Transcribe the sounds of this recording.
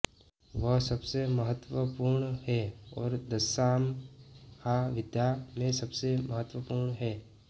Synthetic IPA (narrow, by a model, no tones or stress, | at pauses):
ʋəɦsɐbseməɦət̪ʋəpuɾɳɦɛɔːɾd̪əsaːm | kaʋɪd̪jamẽsɐbseməɦət̪ʋəpuːɾɳɦɛː